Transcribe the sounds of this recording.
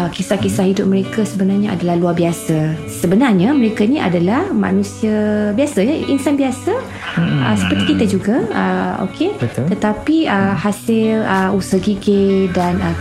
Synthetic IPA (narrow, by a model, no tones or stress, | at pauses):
kisakisahɦidʊp̚məɾekasəbənarɲaʔa̰dalahluarbiasa | səbənarɲaməɾekainiʔa̰dalahmã̰nũsiəbiasajaʔḭnsanbiasa | ə̰səpərt̪ikit̪əd͡ʒuɡaəo̰kʰebət̪t̪ət̪apiəhasɪləusəɡiɡedanə